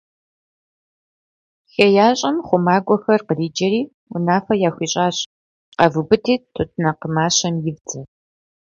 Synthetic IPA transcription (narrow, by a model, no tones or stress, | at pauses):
xɐjaːɕʼɐmχʷʊmaːɡʷɔxɐrqəriːd͡ʒɐɾiː | ʊ̰naːfɐjaːxʷiːɕʼaːɕ | qɐvɨbɨtʰiːtʰotʰnɐqəmaːɕɐmjɪvd͡zɐ